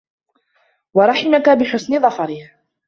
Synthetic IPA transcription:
wɑɾˤɑħɪmakabɪħʊsnɪðˤɑfɑɾɪh

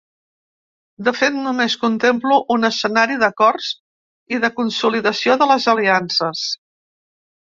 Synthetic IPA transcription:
d̪əfet̪numeskunt̪empluʔːnəsənaɾiðəkɔrz | iðəkunsuliðəsioðələzəliansəs

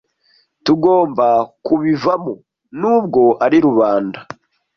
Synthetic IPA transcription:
tuɡo̞ːmbakuβivamo | nuːb̚ɡo̞ʔaɾiɾuβaːnda

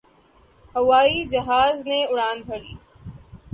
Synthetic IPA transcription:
hɐʋaːid͡ʒɐɦaːzneʊɽaːnbʱɐɽḭː

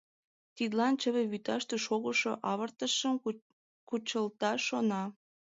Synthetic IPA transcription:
t̪id̪lɑnt͡ɕəβeβyt̪ɑʃt̪eʃoɣəʃoʔɑβərt̪əʃəm | kut͡ɕəlt̪ɑʃonɑ

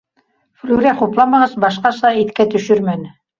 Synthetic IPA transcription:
flʲuɾæquplˠɑmɑʁɤzbɑʃqɑsɑit̪kæt̪ɵ̆ʃɵɾmænɘ

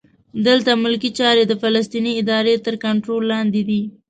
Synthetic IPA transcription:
d̪əlt̪amʊlkit͡ʃɑɾed̪əfalas̬t̪iniɪd̪ɑɾet̪əɾkaɳʈɾolːɑnd̪ed̪i

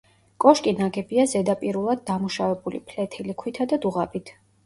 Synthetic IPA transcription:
kʼɔʃkʼinaɡɛbiazɛd̪apʼiɾulˠad̪̚ːamuʃavɛbulḭpʰlɛt̪ʰilikʰwit̪ʰad̪ad̪uʁabit̪ʰ

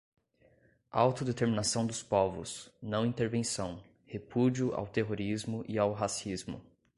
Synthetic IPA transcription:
a̰wt̪ʊd̪et̪eɾminasɐ̃w̃d̪ʊspɔvʊ̰snɐ̃w̃ĩnt̪eɾvẽsɐ̃w̃ | hepud͡ʒiʊʔa̰wt̪eɦoɾizmʊʔiawɦasizmʊ̰

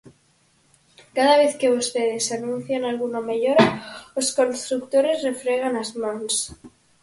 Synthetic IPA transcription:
kaðaβ̞eθke̞βust̪e̞ðesanũn̟θjanalɣunameʎoɾaosko̞nst̪ɾuk̚t̪o̞ɾe̞zre̞fɾeɣ̞anazmans

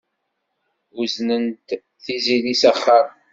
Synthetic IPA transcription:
uznənt̪ | θizilisæχːəɾ

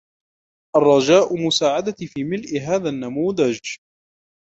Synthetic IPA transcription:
ʔɑrˤːɑd͡ʒaːʔʊmʊsaːʕad̪afiːmɪlʔɪɦaːðanːamuːðad͡ʒ

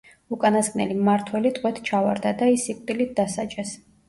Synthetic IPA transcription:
ukʼanasɡʼnɛ̰limaɾt̪ʰwɛlit̪ʼqʼwɛt̪ʰt͡ʃʰavaɾd̪ad̪aisikʼt̪ʼilit̪̚d̪asat͡ʃʼɛs

